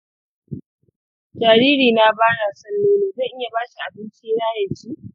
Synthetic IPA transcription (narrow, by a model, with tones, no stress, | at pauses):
d͡ʒaː˨ɽiː˦ɽiː˨naː˨˦baː˦ɽa˨sɐ˦nːoː˦neː˨za˦˨ʔɪ˦ja˨baː˦ʃi˨ʔa˨bɪ˦nt͡ʃiː˦ɽaː˦jɐ˨d͡ʒiː˦